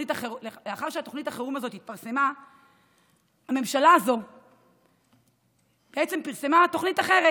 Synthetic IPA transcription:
itaχeleleaχaʁʃeat̪oχnitaχeʁumazo̞thit̪̚paʁse̞ma | ame̞mʃalaːzo̞ | b̥eʔet͡se̞mpiʁse̞mat̪o̞χnitaχe̞ʁe

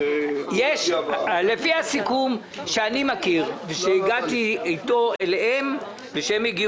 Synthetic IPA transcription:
jeʃlefihasikum | ʃeanimakiʁveʃeiɡat̪iejt̪o̞elehem | veʃeemiɡi

